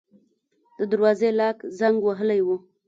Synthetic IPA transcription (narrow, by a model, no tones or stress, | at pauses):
d̪̥əd̪aɾwɑzelɑkzaŋɡwaɦəlajwu